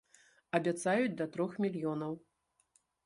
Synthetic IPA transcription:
ɐbʲat̪sajut͡sʲd̪ɐt̪ɾɔxmʲilʲjɔnɐw

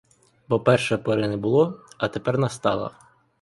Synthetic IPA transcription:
bɔpɛrʃɛpɔɾɪnɛbʊlˠɔɐt̪epɛrnɐst̪ɑ̰lˠɐ̰

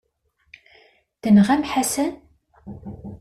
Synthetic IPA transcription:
θənʁæmħasən

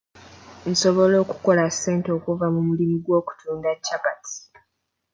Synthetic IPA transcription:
n̩so̞βo̞lo̞ːku̥ko̞lasːe̞ːnto̞ːkuvamumulimiɡwo̞ːku̥tʰuːndacːakatʰi̥

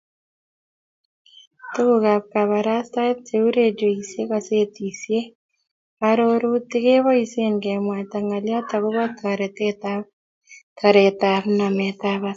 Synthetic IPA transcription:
tukukap̚kaβaɾastaet̚seuɾed͡ʒoisjekaset̪isje | aɾoɾutɪkeβɔisenkɛmwat̪aŋaljat̪akuβataɾɛteta | tʰaɾɛtaβnamɛt̪aβat̚

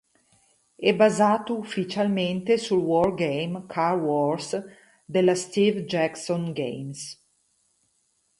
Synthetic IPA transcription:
ɛbazaːt̪oufːit͡ʃalment̪esulwɔrɡejmkʰarwɔrs | d̪elːast̪ivd͡ʒɛksonɡḛjms

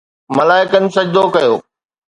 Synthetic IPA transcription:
mɐlaːɪkən̆sɐd͡ʒd̪okɐjoː

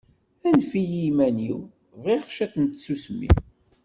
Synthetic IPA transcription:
ænfijimæniw | vʁiʁʃæθənt̪susmḭ

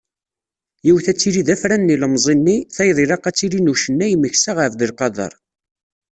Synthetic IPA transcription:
jiwθæt͡sːiɾiðæfɾænːiləmzˤenːiθæjðˤiɾɑqːæt͡sːiɾinuʃənːæjməçsaʁfðəlqɑðˤɑ̰ɾˤ

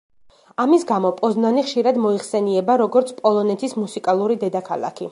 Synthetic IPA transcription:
amisɡamɔpʼɔznaniχʃiɾad̪mɔiχsɛniɛbaɾɔɡɔɾt̪sʰpʼɔlˠɔnɛt̪ʰismusikʼalˠuɾid̪ɛd̪akʰalˠa̰kʰi

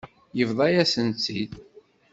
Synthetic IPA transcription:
jəvðˤɑjæsənt͡sːid̪

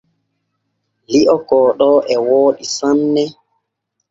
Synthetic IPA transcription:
liʔɔkɔːɗɔʔɛwoːɗisanːɛ

